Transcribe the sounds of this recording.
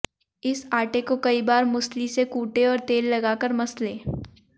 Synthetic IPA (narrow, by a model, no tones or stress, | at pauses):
ɪsaːʈekokɐibaːɾmʊslisekuːʈeɔːɾt̪eːlːɐɡaːkəɾmɐsleː